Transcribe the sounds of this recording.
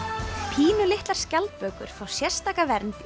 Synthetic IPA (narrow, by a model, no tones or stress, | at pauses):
pʰiːnʏlɪht̪laɾ̥scalt̪̚pœːkʏ̰ɾ̥faːwsjɛ̥st̪aːkavɛɾnt̪